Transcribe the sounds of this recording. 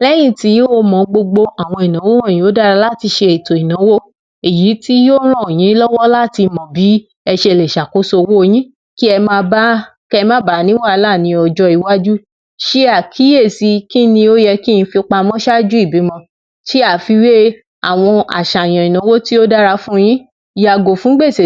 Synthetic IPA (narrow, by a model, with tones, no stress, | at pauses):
lɛ˦j̃ĩ˦˨ti˨˦o˦mɔ̃˨˦ɡ͡bo˧ɡ͡bo˧a˨w̃ɔ̃˧i˨nã˨˦wo˦w̃jĩ˨˦o˨˦da˦ɾa˧la˦˨ti˧ʃe˧e˨to˨i˨nã˨˦wo˦ | e˨ji˨˦ti˦jo˦ɾ̃ã˦o˨j̃ĩ˨˦lɔ˦wɔ˦la˦˨ti˧mɔ̃˨bi˨˦ | ɛ˧ʃe˧˨le˨ʃa˨ko˨˦so˧wo˦o˧j̃ĩ˦ | ki˦ɛ˧mã˧ba˦kɛ˧mã˦ba˨˦nĩ˦wa˦˨˧la˦˨nĩ˨˧˦ɔ˨d͡ʒɔ˧i˨wa˦d͡ʒu˦ | ʃi˦a˦˨kʰi˨˦je˦˨si˨˧ki˦nĩ˧o˦jɛ˧ki˦jĩ˧fi˧k͡pa˧mɔ̃˦ʃa˦d͡ʒu˦i˦˨bi˨˦mɔ̃˧ | ʃi˦a˦˨fi˧we˦ | a̰˦˨w̃ɔ̃˧a̰˨ʃa˨j̃ã˨i˨nã˨˦wo˦ti˦o˦da˦ɾa˧fũ˦˧j̃ĩ˦ | ja˨ɡo˨fũ˨˦ɡ͡be˦˨se˨